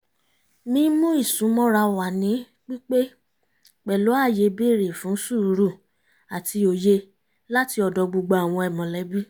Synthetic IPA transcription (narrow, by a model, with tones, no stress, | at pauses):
mĩ˧˦mũ˦i˦˨sũ˨˦mɔ̃˦ɾa˧wa˨nĩ˨˦ | k͡pi˦k͡pe˦ | k͡pɛ˨lo˨˦a˦˨je˧be˦˨ɾe˨fũ˨˦su˦˨˦ɾu˦˨ | a˨ti˧o˧je˧ | la˦ti˧ɔ˧dɔ˧ɡ͡bu˧ɡ͡ba˧a˨w̃ɔ̃˧ɛ˨mɔ̃˨lɛ˨˦bi˦